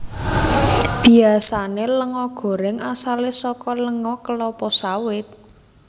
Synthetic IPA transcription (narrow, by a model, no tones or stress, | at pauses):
b̥i̤asaneləŋɔɡ̥o̤ɾɪŋasalesɔkɔləŋɔkəlɔpɔsawɪt̪̚